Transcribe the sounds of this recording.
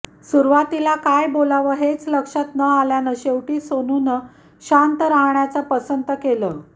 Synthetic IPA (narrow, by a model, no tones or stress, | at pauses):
suɾʋat̪ilakajbolaʋəɦet͡sləkʂat̪nəaljanəɕewʈiːsonunə | ɕant̪əɾaɦɳjat͡sapəsənt̪əkelə